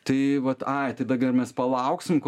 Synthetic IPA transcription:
t̪ɐɪʋɐt̪ɐɪt̪ɐɪd̪ɐɡʲɐrmʲɛspɐlˠɐʊksʲɪmko

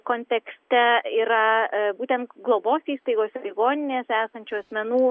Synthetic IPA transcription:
koːnʲt̪ʲɛksʲt̪ʲɛiːɾɐbuːt̪ʲɛnt̪ɡlˠoboːsiːst̪ɐɪɡoːsʲɛlʲɪɡoːnʲɪnʲeːsæːsɐnʲt͡ʃʲuɐsʲmʲɛnuː

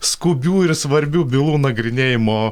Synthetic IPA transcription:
skʊbʲuːɪɾsʋɐɾʲbʲuːbʲɪlˠuːnɐɡɾʲɪnʲeːjɪmoː

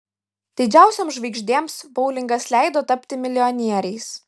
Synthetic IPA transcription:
d̪ʲɪd͡ʒʲæˑʊsʲoːmsʒʋɐɪɡʒʲd̪ʲeɛmsbɔʊlʲɪŋɡɐslʲæˑɪd̪oːt̪ɐpʲt̪ʲɪmʲɪlʲɪɔnʲiɛɾʲɛɪs

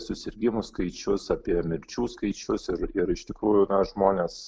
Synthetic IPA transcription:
sʊsʲɪɾʲɡʲɪmʊskɐɪt͡ʃʲʊsɑːpʲiɛmʲɪɾʲt͡ʃʲuːskɐɪt͡ʃʲʊsɪɾɪɾɪʃt̪ʲɪkɾuːjʊnɐʒmoːnʲeːs

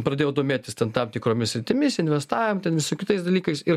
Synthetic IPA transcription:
pɾɐd̪ʲeːjoːd̪oːmʲeːt̪ʲɪst̪ʲɛnt̪ɐmt̪ʲɪkɾoːmʲɪsʲɾʲɪt̪ʲɪmʲɪsɪnʲʋʲɛst̪ɑːʋʲɪmt̪ʲɛnʋʲɪsokʲɪt̪ɐɪsd̪ɐlʲiːkɐɪsɪɾ

